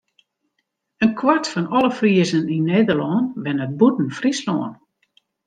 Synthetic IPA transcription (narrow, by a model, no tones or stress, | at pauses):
ənkʰwartfɔnɔləfriəzəninːeːdərlɔːnʋɛnət̚butn̩frislɔ̰ːən